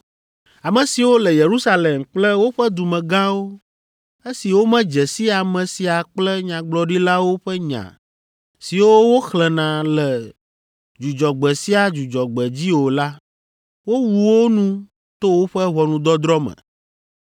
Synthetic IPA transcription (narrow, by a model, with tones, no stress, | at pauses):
a˨mɛ̃˨si˨wo˦lɛ˨je˨ɾu˦sa˦le˨mk͡plɛ˦wo˦ɸɛ˦d̪u˨mɛ̃˨ɡã˦wo˦ | e˦si˨wo˦mɛ̃˦d͡ʒɛ˨si˦a˨mɛ̃˨si˨a˨k͡plɛ˦ɲã˨ɡ͡blɔ˨ɖi˦la˦wo˦ɸɛ˦ɲã̰˨ | si˨wo˦wo˦xlɛ˨nã˨lɛ˨ | d͡ʒu˨d͡ʒɔ˨ɡ͡bɛ˨si˦a˨d͡ʒu˨d͡ʒɔ˨ɡ͡bɛ˨d͡ʑi˦wo˨la˦ | wo˦wu˨wo˦nũ˦ | t̪o˦wo˦ɸɛ˦ɦɔ˨nũ˨d̪ɔ˦d̪ɾɔ˦mɛ̰̃˨